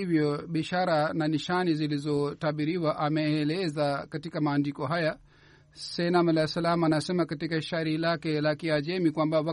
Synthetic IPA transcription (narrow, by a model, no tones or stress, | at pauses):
ivjɔɓiaʃaɾananiʃanizilizɔtaɓiɾiwaʔamɛːlɛzakatikamaːndikɔɦaja | sɛinamalasalamanasɛmakatikaiʃaɾilakɛlakiad͡ʒɛmikwambawa